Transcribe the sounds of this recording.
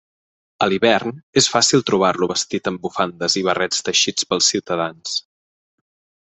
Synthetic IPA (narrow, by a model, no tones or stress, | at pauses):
əliβɛrnesfasilˠt̪ɾuβ̞arluβəst̪it̪əmbufand̪əziβ̞ərɛt͡st̪əʃit͡spəlˠsiwt̪əðans